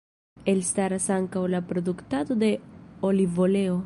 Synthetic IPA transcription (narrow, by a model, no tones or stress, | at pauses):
e̞lstaɾasaŋkawlapɾo̞d̪uktad̪o̞de̞o̞livo̞le̞o̞